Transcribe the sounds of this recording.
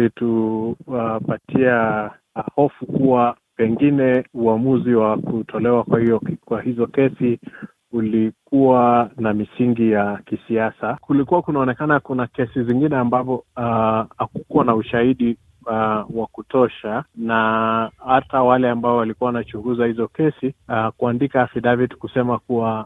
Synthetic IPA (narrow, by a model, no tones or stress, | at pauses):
ituapatʰia | hɔfukuwa | pɛŋɡinɛuamuziwakutʰɔlɛwakwahiɔkwahizɔkɛsi | ulikuwanamisiŋɡijakisiasakulikuwakunaɔnɛkanakunakɛsiziŋɡinɛambapɔ | hakukuwanauʃahiɗi | wakutɔʃanahatawalɛambaɔwalikuawanat͡ʃuɡuzahizɔkɛsikuandikafidavitkusɛmakuwa